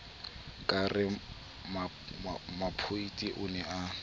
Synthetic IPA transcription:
kʼarɪ | ma | mapʰoitʼiʔʊnɛa

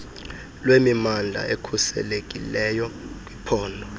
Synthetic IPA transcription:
lwemimand͡ɮʱa̰ʔekʰusɛ̰lekʼḭlɛjɔk̬ʼwipʰɔːndʱɔ

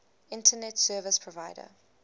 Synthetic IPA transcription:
ɪ̃ntʰənɛtsɜːvəspʰɹɔvaɪdə̰

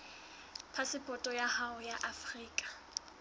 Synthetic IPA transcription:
pʰasɪpʼɔtʼɔjahaʊjaʔafriːkʼḁ

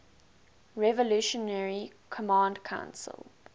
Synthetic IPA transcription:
ɹɛvɔluʃɔnɛɹi | kʰɔmɑ̃ːndkʰãʊ̃nsə̰l

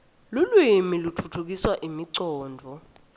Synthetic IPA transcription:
lulwimilutʰutʰuk̬iswaʔimiǀɔːndʱɔ

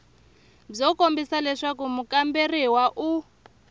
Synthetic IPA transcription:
b͡ʐɔkombisalɛʂakumukamberiwaʔu

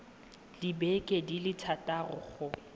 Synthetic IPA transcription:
libɛkʼedilɪtʰatʼarʊ̰χʊ

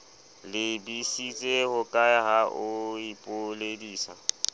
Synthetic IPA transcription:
lɪbisit͡sʼehʊkʼaɦaʔʊipʼʊlediːsa̰

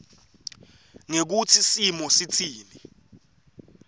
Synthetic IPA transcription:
ŋek̬ut͡sʰisimɔsit͡sʰiːli

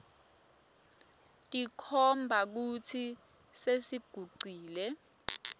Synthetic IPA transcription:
tʼikʰɔmbʱak̬ut͡sʰi | sesiɡ̥ʱuɡ͡ǀiːlɛ

